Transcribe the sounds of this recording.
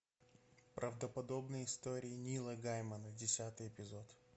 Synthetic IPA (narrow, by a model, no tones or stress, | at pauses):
pɾʔəvd̪əpɐd̪o̞bnɨjɪst̪o̞ɾʲɪːnʲilˠəɡajmənədʲɪsʲat̪ɨjɪpʲɪzot̪